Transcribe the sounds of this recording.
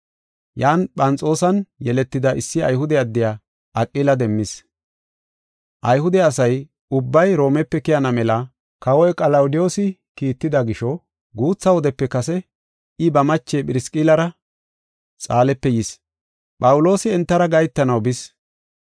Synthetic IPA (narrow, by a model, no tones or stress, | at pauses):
jaːnpʼɐnt͡sʼo̞ːsɐnjɛlɛt̪ːɪd̪ɐʔɪsːɪɐ̰jɦʊd̪ɛɐd̪ːɪjaː | ʔɐkʼːiːlɐd̪ɛmːɪs | ʔɐjhʊd̪ɛɐsɐj | ʊbːɐjɾo̞ːmɛpːɛkɪjɐnɐmɛlɐ | kɐwɔjkʼɐlɐwʊd̪ɪjo̞ːsɪkiːt̪ːɪd̪ɐɡɪʃɔ | ɡuːt͡sːɐwɔd̪ɛpːɛkɐsɛ | ɪbɐmɐt͡ʃːepʼɪɾɪskʼiːlɐɾɐ | t͡sʼaːlɛpːɛjis | pʼɐwʊlo̞ːsɪɛnt̪ːɐɾɐɡɐjt̪ːɐnɐwbɪs